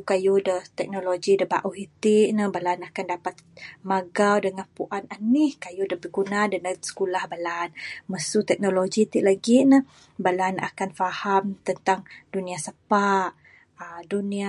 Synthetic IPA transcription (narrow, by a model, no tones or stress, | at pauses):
kajudət̪ɛk̚noloɡidəba̰ʔuɦit̪iʔnəbalanakandapat̪̚maɡawdəŋanpuʔananɪhkajudəbəɡunadənəsə̥kulahbalanməsut̪ɛk̚noloɡit̪iʔlaɡinə | balana̰kanfahamt̪ənt̪aŋduniasəpaʔ | ədunia